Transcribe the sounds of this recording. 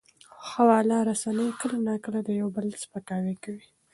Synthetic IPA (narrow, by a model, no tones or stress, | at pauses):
xawɑlɑɾasanəjkəlanakəlad̪əjawbəlspəkɑwikawi